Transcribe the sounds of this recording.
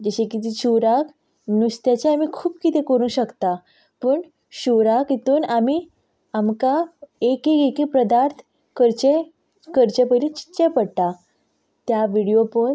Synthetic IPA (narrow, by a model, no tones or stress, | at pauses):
d͡ʑəɕekit̪iɕuɾak | nust̪jat͡ɕeamiːkʰuːbkit̪ẽkəɾũːɕəkt̪a | pəɳ | ɕuɾakit̪uːnamiː | amkaekekekipɾəd̪aɾt̪ʰ | kəɾt͡ɕe | kəɾt͡ɕepəlit͡ɕi̥t͡ɕepəɽt̪a | t̪jaʋiɽijopən